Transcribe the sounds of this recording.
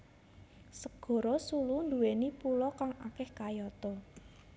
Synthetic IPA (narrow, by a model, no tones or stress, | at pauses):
səɡ̥ɔ̤ɾɔsulund̪ṳwenipulɔkaŋakɪhkajɔt̪ɔ